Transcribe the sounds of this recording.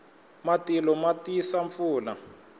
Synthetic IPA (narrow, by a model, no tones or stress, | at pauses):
matilɔmatisaɱfuːla